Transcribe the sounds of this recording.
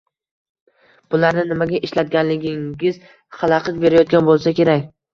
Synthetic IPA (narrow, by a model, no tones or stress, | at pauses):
b̥ʊlaɾnɪnɪmaɡʲaʔɪʃlat̪̚ɡʲanlɪɡʲɪŋɪz̥ | χɑlˠɑqɨt̪̚be̞ɾajɒt̪̚ɡʲanbolˠsakʲe̞ɾakʲ